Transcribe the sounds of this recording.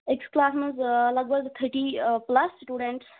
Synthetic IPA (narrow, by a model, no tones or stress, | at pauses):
eksklaːsməzɐləɡbəɡt̪ʰəʈiplɐsʈuːɖeɳʈs